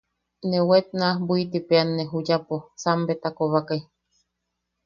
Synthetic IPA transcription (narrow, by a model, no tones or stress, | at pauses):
newet̪̚nahbuit̪ipeanːeɦujaposambet̪akoβakaj